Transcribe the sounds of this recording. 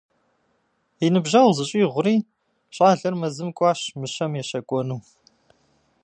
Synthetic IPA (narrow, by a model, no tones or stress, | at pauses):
inɨbʒɐwzɨɕʼiːʁʷʊɾiː | ɕʼaːɮɐrmɐzɨmkʷʼɑːʃmɨʃɐmjɛɕɐkʷʼɔnuː